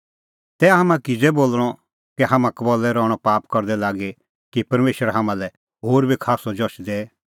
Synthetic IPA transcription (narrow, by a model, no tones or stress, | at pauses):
t̪ɛːɦamãkɪd͡zɛboːlɽ̃ɔ | keɦaːmãkɐbɔlɛɾɔːɽ̃ɔpaːpkɐɾd̪ɛlaːɡe | kipɐɾmeːʃəɾɦaːmãlɛ | ɦoːɾbʱikʰaːsɔd͡ʒɔʃd̪eː